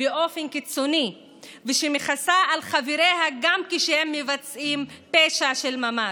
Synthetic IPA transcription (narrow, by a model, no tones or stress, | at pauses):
beʔo̞fenkit͡soni | veʃemeχasaʔːlχaviɾehaɡamkiʃehemːevat͡sʔimpeʃaʃelmama